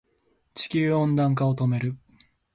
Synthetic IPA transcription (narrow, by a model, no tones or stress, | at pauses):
t͡ɕi̥kʲɨːõ̞nd̪ãŋk̬aot̪o̞me̞ɾɯ̟